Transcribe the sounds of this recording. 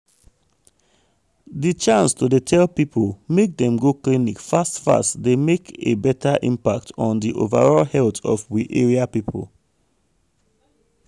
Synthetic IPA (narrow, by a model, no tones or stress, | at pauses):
dit͡ʃãnstodetʰɛlpipʰolmek̚dɛ̃mɡoklinikfastfa̰stdemekebɛtʰaʔḭ̃mpak̚tɔ̃n̩diʔo̰va̰ɹɔlhɛltɔ̰fwiʔḛɹiapipʰo̰l